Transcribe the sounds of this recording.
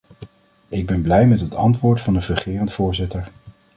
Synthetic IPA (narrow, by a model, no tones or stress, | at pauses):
ɪɡ̚bɛnblɛjmɛtɦətʰɑ̰ntʋʊːɹtfɑndəvəχɪːrəntfʊːɹzɪtəɹ